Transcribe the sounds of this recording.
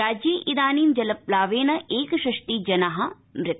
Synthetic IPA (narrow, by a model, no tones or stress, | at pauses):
aːd͡ʒjiʔid̪aːniːmd͡ʒɐlɐplaːʋeːnɐʔeːkɐʃɐʂʈ̪iːd͡ʒɐnaɦɐ̆ | mɾɪt̪ː